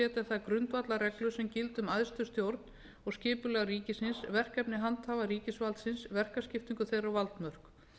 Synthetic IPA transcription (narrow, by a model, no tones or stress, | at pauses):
ɛːt̪aθaðkɾʏnt̪vat̪laɾɛklʏsɛmcɪlt̪ʏmaðst̪ʏst̪jowɾt̪n | ɔɣscɪːpʏlɛɣariːcɪsɪnsvɛr̥kɛpnɪɦant̪havaɾiːcɪsvalt̪sɪnsvɛr̥kascɪft̪iŋkʏθejrawvalt̪mœr̥k